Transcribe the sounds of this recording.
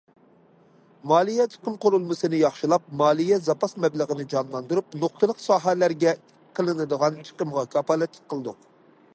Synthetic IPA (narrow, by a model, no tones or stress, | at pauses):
mɑːlˠijɛt͡ʃʰə̥qəmqʰoɾulˠmɨsɨnɨjɑχʃilˠɑp̚mɑːlˠijɛzɑpɑsmɛblˠəʁənɨd͡ʒɑnlˠɑnd̪uɾup̚noχt̪ʰɨlˠəqsɑːɦælæɾɡʲɛ | qʰːəlˠɨnɨd̪əʁɑnt͡ʃʰə̥qəmʁɑkʰɑpɑlˠɨt̪ʰɪ̥k̚qʰəlˠɨd̪u